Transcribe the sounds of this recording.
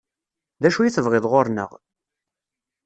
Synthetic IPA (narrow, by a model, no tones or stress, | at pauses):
ðæʃujiθəvʁɪðˤʁoɾnə̰ʁ